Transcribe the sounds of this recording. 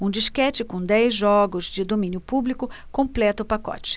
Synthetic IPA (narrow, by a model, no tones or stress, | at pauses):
ũd͡ʒiskɛt͡ʃɪkõd̪ɛjzʒɔɡʊzd͡ʒɪd̪omĩnjʊpublikʊkõplɛt̪ɐʊpakɔ̰t͡ʃɪ̥